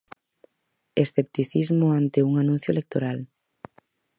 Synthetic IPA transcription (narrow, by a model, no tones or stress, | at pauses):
esθep̚t̪iθizmʊãnt̪euŋanũn̟θjʊelek̚t̪oɾal